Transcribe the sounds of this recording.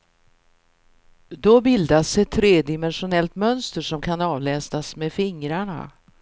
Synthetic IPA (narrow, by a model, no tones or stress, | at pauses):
d̪ɔbɪld̪asdɛt̪ʰːɾeːd̪ɪmɛnɧʊnɛlt̪mœnst̪əʂɔmkʰanɑːvlɛːst̪asmefɪŋɾaɳa̰